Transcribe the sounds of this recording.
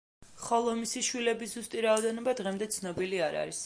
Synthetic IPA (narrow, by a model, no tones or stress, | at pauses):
χalˠɔmisiʃwilɛbiszust̪ʼiɾaɔd̪ɛnɔbad̪ʁɛmd̪ɛt̪sʰnɔbiliaɾa̰ɾis